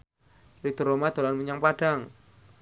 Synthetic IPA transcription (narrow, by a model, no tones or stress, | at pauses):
rik̚t̪əɾomad̪̥o̤lanmuɲaŋpaɖ̥aŋ